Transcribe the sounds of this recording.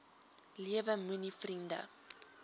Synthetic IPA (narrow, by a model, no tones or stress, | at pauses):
liəvəmunifrində̰